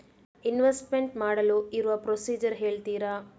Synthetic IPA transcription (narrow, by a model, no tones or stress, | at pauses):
inʋesʈmeɳʈmaːɽɐluiɾuʋɐpɾosiːd͡ʒɐɾɦe̞ːɭt̪iːɾa